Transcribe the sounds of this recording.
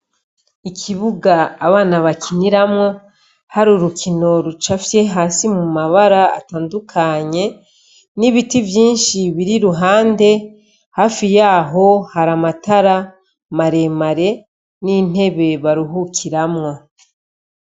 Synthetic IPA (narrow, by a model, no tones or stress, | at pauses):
ikʰiβuɡaːβaːnaβakʰiniɾamŋo̞ | haɾuɾukʰino̞ɾut͡ʃafje̞ɦaːsimumaβaɾaa̰taːndukʰaɲe̞ | niβitivjiːnʃiβiɾiɾuɦaːnde̞ | haːfijaːɦo̞haɾamataɾa | maɾe̞maɾe̞ | nin̥he̞βe̞βaɾuɦukʰiɾamŋo̞